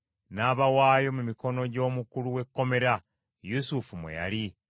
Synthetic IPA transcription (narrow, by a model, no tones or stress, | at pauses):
naːβawaːjo̞mumiko̞no̞ɟo̞ːmukuluwe̞kːo̞me̞ɾa | jusufumwḛja̰li